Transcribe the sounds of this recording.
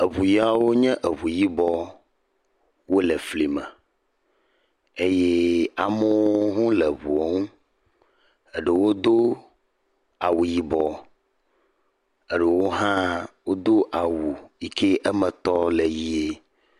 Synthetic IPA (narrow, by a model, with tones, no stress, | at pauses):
e˨βu˨ja˨wo˦ɲɛ̃˦ʔe˨βu˨ji˦bɔ˦ | wo˦lɛ˨fli˨mɛ̃˨ | e˦je˦a˨mə˦woo˦ɦũ˦lɛ˨βu˨e˦ŋũ˦ | e˨ɖe˨wo˦d̪o˦ | a˨wu˨ji˦bɔ˦ | e˦ɖe˨wo˦ɦã˦wo˦d̪o˦ʔa˨wu˨i˦kʰe˦ʔe˦mɛ̃˨t̪ɔ˦le˨ji˦e˦